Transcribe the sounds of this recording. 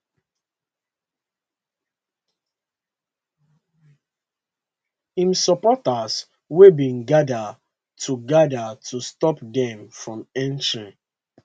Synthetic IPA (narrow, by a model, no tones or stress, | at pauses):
ĩmsɔpɔtas | webĩnɡada | tʰuɡadatʰustɔpdɛ̃mfɹɔ̃mɛ̃ntɹĩŋ